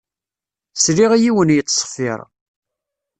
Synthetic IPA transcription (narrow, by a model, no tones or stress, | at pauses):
sɾiʁijiwənjət̪ːsˤə̥fːɪ̰ɾˤ